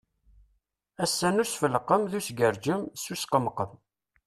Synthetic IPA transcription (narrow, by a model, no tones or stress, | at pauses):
æsːænuɾsfəlqːəmðusɡəɾd͡ʒəmsusqəmqːəm